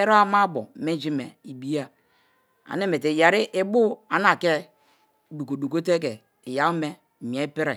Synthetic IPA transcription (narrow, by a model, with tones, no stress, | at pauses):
e˦ɾo˦a˦ma˦bo̰˨me˦d͡ʒi˦me˨i˨bi˦ja˨ | a̰˨ne˦me˨te˨ja˨ɾi˦ʔe˦bu˦a˨n˦a˨ke˦ | du˨ko˨du˨ko˦t̬e˦k̬e˨ | ja˨˦me˦˨ | m˨e˦pi˦ɾe˨